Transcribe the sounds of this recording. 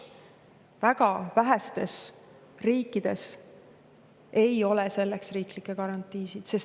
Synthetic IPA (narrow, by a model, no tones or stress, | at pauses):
væɡ̥ɑvæɦæst̪e̞s | riːkːˑid̪̥e̞s | e̞jo̞lɛse̞lːeksriːklikːˑekɑɾɑnt̪ˑːiːsid̪̥se̞s